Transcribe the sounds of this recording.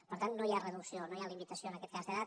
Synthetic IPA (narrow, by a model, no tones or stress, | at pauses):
pəɾt̪annojarəðuksionojalimit̪əsioənəkɛt̪̚kazðəða